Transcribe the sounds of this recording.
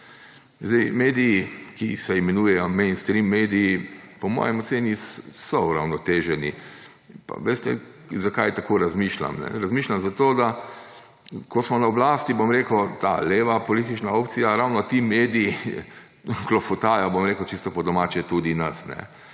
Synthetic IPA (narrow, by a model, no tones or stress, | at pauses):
zd̪ɛjmeːd̪iːkisɛimɛnuːjɛjɔmɛ̃ɪnst̪ɾimːed̪iːpɔmɔ̰ːjɛmɔt̪seːnissɔuɾa̰wnɔt̪eːʒɛnḭ | pa̰ʋeːst̪ɛ̰ | zakajt̪akoːɾazmiʃla̰mnɛ̰ɾazmiːʃlʲamzat̪oːd̪a | kɔsmɔnaɔblaːst̪ibomɾeːkət̪a̰leːʋapɔliːt̪̬it͡ʃnaoːpt̪sijaɾawnɔt̪imeːd̪iː | klɔfɔt̪aːjabomɾeːkəwt͡ʃist̪ɔpɔd̪ɔmaːt͡ʃɛt̪ud̪inɐsnɛ̰